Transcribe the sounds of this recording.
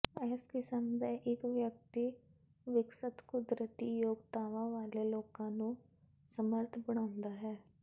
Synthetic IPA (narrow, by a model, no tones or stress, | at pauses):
ɛːskɪsəmd̪aʔɪkʋjək̚t̪i | ʋɪksət̪kʊd̪ɾət̪iːjoːɡt̪aːʋãːʋaːleloːkãːnũː | səməɾt̪ʰbəɽ̃aːʊ̃nd̪aːɦɛː